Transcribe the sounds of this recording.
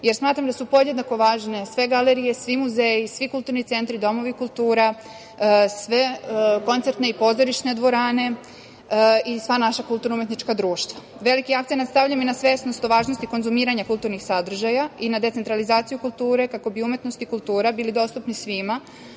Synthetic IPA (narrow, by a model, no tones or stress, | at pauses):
je̞ɾsmaːt̪ɾamd̪asupo̞jejed̪nako̞ʋaːʒne̞sʋe̞ɡaleɾije̞sʋimuzejisʋikult̪uɾnit̪se̞nt̪ɾid̪o̞mo̞ʋikulˠt̪uːɾa | sʋe̞ko̞nt̪se̞ɾt̪ne̞ipo̞zo̞ɾiʃne̞d̪ʋo̞ɾaːne̞ | isʋanaʃakulˠt̪uɾnaumje̞t̪nit͡ʃkad̪ɾuːʃt̪ʋa | ʋe̞likiakt̪enat̪st̪avʎaminasʋe̞sno̞st̪oʋaːʒnost̪iko̞nzumiːɾaɲakulˠt̪uɾnixsad̪r̩ʒajainad̪et̪se̞nt̪ɾalizaːt̪sijukulˠt̪uːɾe̞kako̞biume̞t̪nost̪ikulˠt̪uːɾabiːlid̪o̞st̪upnisʋima